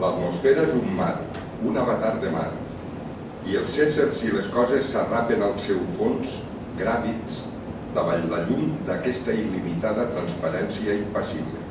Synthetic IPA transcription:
lat̪musfɛɾaezumːa̰t̪ | unaβat̪aɾd̪ema̰t | iəlˠseseɾzileskɔzesːarapenalˠsɛwfonz | ɡɾaβis | d̪aβaʎlaʎumd̪akɛst̪ailimit̪aðət̪ɾanspaɾɛnsiaimpasiβlḛ

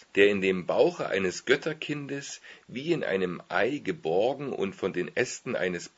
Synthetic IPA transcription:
d̥eːɐɪndeːmbaʊxəʔa̰ɪnəsɡ̥œtʰɐkʰɪndəsviːɪnʔa̰ɪnəmʔa̰ɪɡəbɔɐɡŋ̩ʔʊ̰ntfɔndeːnʔɛstn̩ʔa̰ɪnəs

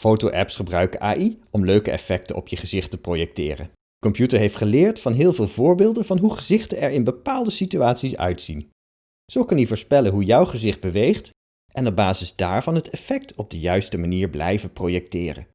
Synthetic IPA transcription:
fowtowʔɛpsχəbrœɥkəʔa̰ːʔiɔmløɥkəɛ̰fɛk̚tə̰ɔ̰pjəχəzɪχtəprowjɛk̚tɪ̰ːrə̰n | kɔmpjutəɹɦejftχəlɪːɹtfɑnɦɪːlˠvɪːlˠvʊːɹbɪːlˠdənvɑnɦuχəzɪχtənɛɹɪnbəpaːlˠdəsityaːtsisœ̰ɥtsin | z̥owkɑnjəvʊːɹspɛlənɦujɔwχəzɪχd̚bəʋejχt | ʔɛnɔb̚baːzɪzdaːɹvɑnɦətɛfɛk̚tʰɔb̚dəjœɥstəmaniːɹblɛ̰jvənprowjɛk̚tɪːrə̰

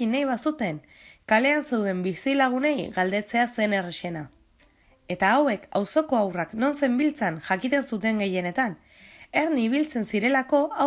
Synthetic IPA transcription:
inːajβasut̪e̞ŋ | kale̞anse̞wðe̞mbisilaɣ̞une̞jɡald̪e̞t͡se̞ase̞ne̞reʃe̞na | e̞t̪aːwe̞kawso̞ko̞awrakno̞nse̞mbilt͡sanʝakit̪e̞nsut̪e̞ŋɡe̞je̞ne̞t̪an | e̞ɾniβ̞ilt͡se̞nsiɾe̞lako̞a

